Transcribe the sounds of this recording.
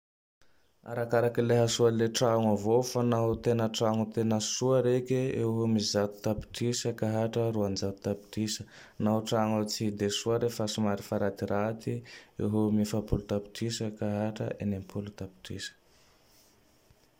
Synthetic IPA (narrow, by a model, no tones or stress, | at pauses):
a̰ɾakaɾakileɦasualeʈ͡ʂaŋavofanaɦot̪enəʈ͡ʂaŋut̪enəsuaɾekeeɦumizat̪u̥t̪api̥ʈ͡ʂisakaɦaʈ͡ʂəɾuand͡zak̪u̥t̪api̥ʈ͡ʂisə̥ | naɦuʈ͡ʂaŋut͡sid̪esuaɾefasimaɾifaɾat̪iɾat̪iḛɦomifapulut̪api̥ʈ͡ʂisakaɦaʈ͡ʂə̰ʔenempʰulut̪api̥ʈ͡ʂḭsə̥